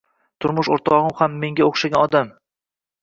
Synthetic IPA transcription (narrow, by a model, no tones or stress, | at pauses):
t̪ʰʊɾmʊʃoɾt̪ʰɒʁɨmhamːe̞ŋɡʲaoχʃaɡʲanɒd̪am